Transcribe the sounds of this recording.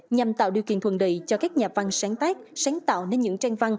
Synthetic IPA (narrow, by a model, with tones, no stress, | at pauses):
ɲa˨˩mt̪a̰ː˧˨wɗi˨˩əkḭ˧˨nt̪ʰwə̰˧˨˩nɗḭ˧˨t͡ɕɔ˧kaː˦˥k̚ɲaː˨˩va˧ŋsaː˨˦ŋt̪aː˦˥k̚saː˨˦ŋt̪a̰ː˧˨wne˧nɲɨ̰˧˥ŋt͡ɕa˧ŋva˧ŋ